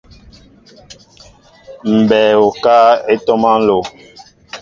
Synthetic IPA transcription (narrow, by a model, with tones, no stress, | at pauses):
m̩˨bɛː˨o˨ka˦e˦tɔ˦ma˦n̩˦lo˨